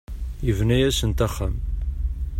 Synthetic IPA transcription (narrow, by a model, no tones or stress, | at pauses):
jəvnæjæsənt̪æχːæm